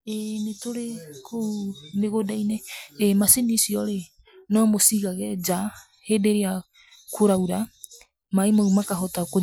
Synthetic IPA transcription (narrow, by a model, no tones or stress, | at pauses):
ɛnetoɾekʰomeɣodainɛmasinisiɔɾe | nɔmosiɣaɣɛd͡ʒa | hedeɾea | kʰoɾauɾa | maimoumakaɦɔtako